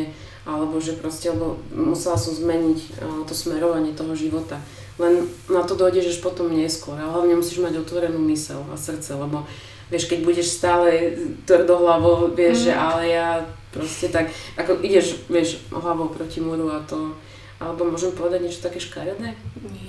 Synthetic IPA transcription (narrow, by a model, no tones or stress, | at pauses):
ɛ | ʔalɛbɔʒɛpɾɔscɛlɛbɔmusɛlasɔmzmɛɲicːt̪ɔsmɛɾɔʋaɲɪɛt̪ɔɦɔʒiʋɔt̪a | lɛnnat̪ɔd̪ɔjɟɛʒaʃpɔt̪ɔmɲɪɛskʊɔɾaɦlaʊɲɛmusiːʒmaɟɔt̪ʋɔɾɛnumisɛ̰la̰sr̩t͡sɛlɛbɔ | ʋɪɛʃkɛɟbuɟɛʃst̪aːlɛt̪ʋrd̪ɔɦlaʋɔʊʋɪɛʒʒɛʔalɛjapɾɔscɛt̪akʔakɔʔiɟɛʒʋɪɛʒ̰ɦlaʋɔʊpɾɔcimɔɾuat̪ɔ | ʔalɛbɔmʊɔʒɛmpɔʋɛd̪aɟɲɛt͡ʃɔ̥t̪akɛːʃkaɾnɛː